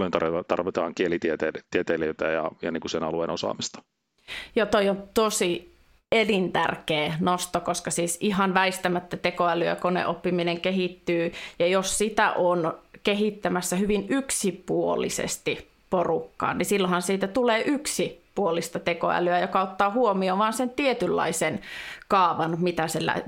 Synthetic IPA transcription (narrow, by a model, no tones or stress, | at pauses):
ljont̪ɑrɑt̪ɑ̰rʋit̪ɑːŋkielit̪iet̪eːlt̪iet̪eleyt̪æjɑ̰jɑ̰niːŋkusenɑ̰luḛnosɑ̰ːmist̪ɑ̥ | jɑt̪oiont̪osi | elint̪æ̰rkeːnost̪okoskɑsiːsiɦɑnʋæist̪æmæt̪ːæt̪ekoælyæ̰konḛʔopːimineŋkeɦit̪ːyːjɑjossit̪æʔonkeɦit̪ːæmæsːæhyʋinyksipuo̰lḭsḛst̪i | porukːɑ̰ːnnisilːohɑnsiːt̪æt̪uleːʔyksipuolist̪ɑt̪eko̰æ̰lyæjokɑot̪ːɑːhuomioːʋɑːnsent̪iet̪ylːɑ̰isenkɑːʋɑnmit̪æselæ̰